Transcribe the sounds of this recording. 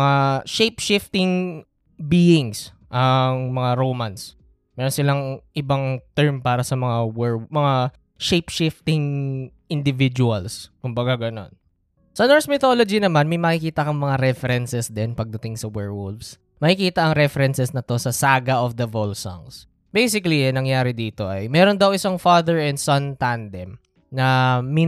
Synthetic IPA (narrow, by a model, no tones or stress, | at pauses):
ŋaʃejpʃɪft̪ɪŋ | biːɪŋs | ʔɐŋmɐŋaɾowmans | mɛːɾonsɪlaŋʔɪbaŋt̪ɛɹmpaːɾɐsɐmɐŋawɛɹmɐŋa | ʃejpʃɪft̪ɪŋ | ʔɪnd̪ɪvɪd͡ʒʊɐlskʊmbɐɡaɡɐno̞̰n | sɐnoɹsmɪt̪oːlod͡ʒinɐmanmɐjmɐkɪkiːt̪ɐkɐŋmɐŋaɾɛfɛɾɛnsɛsd̪ɛnpɐɡ̚d̪ɐt̪ɪŋsɐwɛɹwʊlvs | mɐkɪkiːt̪ɐʔɐŋɾɛfɛɾɛnsɛsnɐt̪o̞sɐsaːɡɐʔofd̪ɐvolsɔ̰ŋs | bejsɪkɐlinɐŋjaːɾɪd̪iːt̪o̞ʔɐjmɛːɾond̪ɐwʔɪsɐŋfaːðɛɹɛnd̪sɐnt̪and̪ɛm | nɐmi